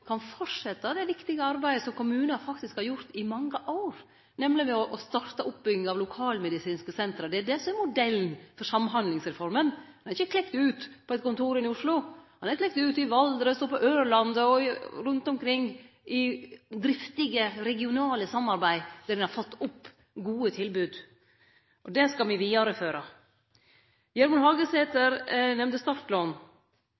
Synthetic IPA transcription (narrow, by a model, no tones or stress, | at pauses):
kʰɑnfɔʂɛt̪ːəd̪ɛʋɪkt̪ɪɡəɑɾbæɪd̪əsɔmkʊmʉːnəfɑkt̪ɪskhɑɾjʊɾt̪ɪmɑŋːəʔoʊɾ | nɛmlɪmɛɔʔɔst̪ɑɾt̪əʔʊpbʏɡɪŋɑʋlʊkʰɑːlmɛd̪ɪsiːnskəsɛnt̪ɾəd̪ɛæɖ̪ɛsɔmɛɾmʊd̪ɛlnfɔɾʂsɑmɦɑnd̪lɪŋsɾɛfɔɾmənhɑnɑɾɪçːəkʰlɛkt̪ʉːt̪pʰɔɛt̪kʊnt̪uːɾɪnɪʊʂlʊhɑnæɾklɛk̚t̪ʉːt̪ɪʋɑld̪ɾəst̪oːpɔʔøːɾɭɑnd̪əɔɾʉnt̪ɔmkʰɾɪŋː | ɪd̪ɾɪft̪ɪɡəɾɛɡɪʊnɑːləsɑmːɑɾbæɪd̪æɾɛnhɑɾfɔt̪ːʊpː | ɡuːət̪ʰɪlbʉːd̪ | ʔɔd̪ɛskɑlʋɪʋiːɑɾəføːɾə | jɛɾmɑnhɑːɡəseːt̪əɾnɛmnəst̪ɑɾʈloːn